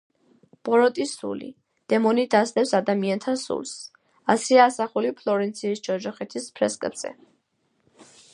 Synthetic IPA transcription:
b̥ʼɔɾɔt̪ʼisṵlḭ | d̪̥ɛmɔnid̪asd̪ɛpsad̪amiant̪ʰasṵlˠs | asiaːsaχulipʰlˠɔɾɛnt̪sʰisd͡ʒɔd͡ʒɔχɛt̪ʰispʰɾɛskʼbz̥ɛ̰

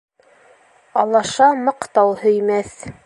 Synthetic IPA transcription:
ɑlˠɑʃɑmɤ̆qt̪ɑwhɵ̆jmæθ

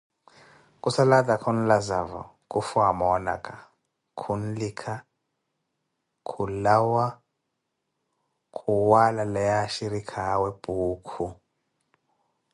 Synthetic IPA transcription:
kʼusaladʼakʰɔn̩lazavɔ̰ | kʼufuamɔna̰kʼa | kʰun̩likʰa | kʰulawa | kʰʼuwalalɛjaʃiɾikʰawɛb̥ʱuːkʰu

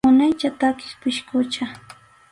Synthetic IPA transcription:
ʊnajt͡ʃat̪akɪ̥spɪʃkʊt͡ʃa

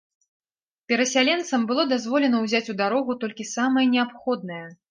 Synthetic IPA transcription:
pʲɛɾɐsʲalʲɛnt̪sɐmbɨlˠɔd̪azvɔlʲɛnɐwzʲat͡sʲud̪aɾɔɣut̪ɔlʲkʲisamɐjɐnʲɛapxɔd̪̚nɐjɐ

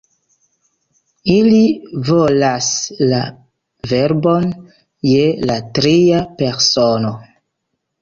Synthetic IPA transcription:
ilivolasla | ve̞ɾbo̞n | je̞latɾiape̞ɾsono

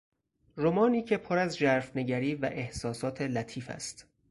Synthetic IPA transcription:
ɾomɒːniːcʰe̞pʰoɾæzd͡ʒæɾfne̞ɟæɾiːvæ̰ʔe̞hsɒːsɒːt̪ʰe̞læt̪ʰiːfæ̰st̪

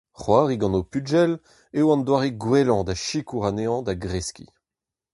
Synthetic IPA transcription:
χwaːʁiɡɑ̃nopyd͡ʒɛl | ewɑ̃nd̪waʁeɡwɛlɑ̃d̪aʃikuʁaneɑ̃d̪aɡʁɛskḭ

